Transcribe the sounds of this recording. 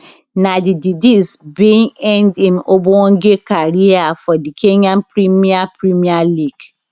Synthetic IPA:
nadididisbĩŋɛ̃ndĩnobõɔ̃ŋ̩ɡekaɾiafɔdikʰeɲãnpɾimiapɾimialiɡ̥

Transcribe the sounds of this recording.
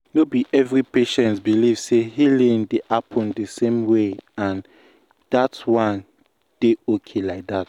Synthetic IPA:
nobiʔɛvɹipeʃɛ̃ntbiliv̥sehilĩŋdeʔapʰɔ̃ndəsẽmweãn | datwãn | d̥eokʰelaɪk̚dat̚

